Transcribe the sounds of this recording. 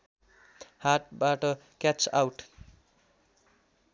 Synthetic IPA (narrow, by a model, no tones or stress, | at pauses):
haʈ̚baʈʌkat͡sa̰wʈ